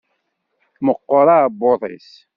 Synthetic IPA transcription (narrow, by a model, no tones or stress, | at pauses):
məqːoɾˤɑbːoðˤḭs